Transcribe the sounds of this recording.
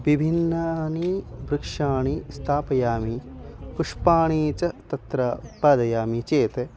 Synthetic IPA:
ʋibʱinːɐnibɾɨkʂaːɳist̪ʰaːpɐjaːmikuʂpaːɳiːt͡ʃɐt̪ɐt̪ɾaːut̪̚paːd̪ɐjaːmit͡ʃeːt̪e

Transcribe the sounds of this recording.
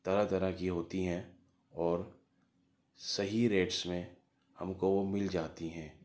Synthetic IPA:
t̪ɐɾat̪ɐɾakiɦoːt̪iɦɛ̃ | ɔːɾ | sɐɦiɾeːʈsmẽ | hɐmkoomɪld͡ʒaːt̪iɦɛ̃ː

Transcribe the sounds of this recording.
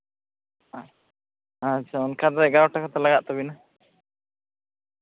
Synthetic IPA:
at͡ʃʰaɔnkʰad̪aɡaɾawʈakat̪alaɡaʔt̪ɔbina

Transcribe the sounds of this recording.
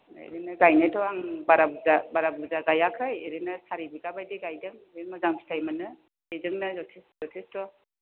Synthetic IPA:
ḛɾɯnɯɡajnajtʰɔaŋbaɾabuzabaɾabuzaɡajakʰɾajeɾɯnɯsaɾibiɡabajdeɡajdɯŋ | ɯmɔzaŋbi̥tʰajmanɯ | ezɯŋnɯzɔtʰeszɔtʰistɔ

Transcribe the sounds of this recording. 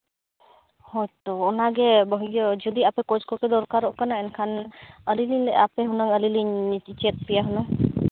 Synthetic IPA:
hojt̪ɔːnaɡɛbɔɦiɡɔd͡ʒɔd̪iapɛkɔd͡ʒkɔked̪ɔɾkaɾɔʔkanaɛnkʰanəliliɲlɛ̰apeɦunəŋəliliɲt͡ʃit͡ʃet̪̚pijaɦɔnɔ

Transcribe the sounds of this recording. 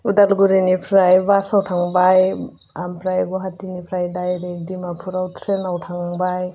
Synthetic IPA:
udalɡuɾinipʰɾajbasawʈʰaŋbaj | ampʰɾajɡɔɦatinipʰɾajdajɾekdimapʰuɾawt̪ʰɾenawtʰaŋbaj

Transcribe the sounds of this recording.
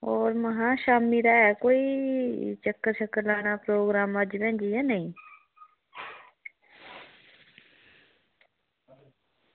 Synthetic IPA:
oːɾməɦãːʃaːmiːɾaːɛːkoːiːt͡ʃəkːəɾʃəkəɾlaːñaːpɾoːɡɾaːməd͡ʒʋɛ̃ːnd͡ʒiːɛːnəĩː

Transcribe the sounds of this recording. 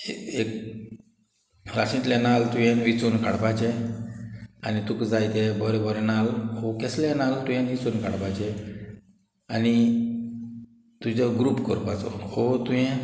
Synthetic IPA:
eek̚ | ɾasĩt̪lanalt̪ujɛ̃nʋit͡sunkʰaɽpat͡ɕɛ | anit̪ukd͡zajt̪ɛbɔɾɛbɔɾɛnalhokɛslanalt̪ujɛ̃nʋit͡sunkʰaɽpat͡ɕɛ | ani | t̪ud͡ʑɔɡɾuːpkɔ̰ɾpat͡sɔ̰hot̪ujɛ̃

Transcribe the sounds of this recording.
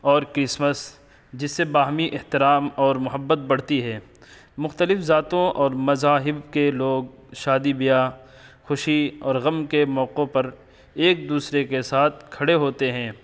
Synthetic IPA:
ɔːɾkɾɪsməs | d͡ʒɪsːebaːɦmiʔɪht̪ɪɾaːmɔːɾmʊɦəbːət̪̚bɐɽ̤t̪iɦɛ̃ː | mʊxt̪əlɪfzaːt̪õʔɔːɾmɐzaːɦɪbkeloːɡ̚ | ʃaːd̪ibɪjaː | xʊʃiɔːɾɣɐmkemɔːqõpɐɾ | eːk̚d̪uːsɾekesaːt̪̚ʰkʰɐɽeɦoːt̪eɦɛ̃ː

